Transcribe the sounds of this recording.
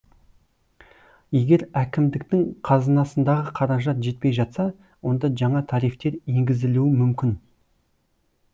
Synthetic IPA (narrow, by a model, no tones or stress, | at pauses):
je̞ɡʲe̞ɾækʲɪmd̪ɪk̚t̪ɪŋqʰɑzənɑsənd̪ɑʁəqʰɑɾɑʒɑt̪ʒe̞t̪̚pe̞jʒɑt̪sɑ | wo̞nd̪ɑʒɑɴɑt̪ʰɑɾijft̪e̞ɾje̞ŋɡʲɪzɪluɪmʏmkʲɪn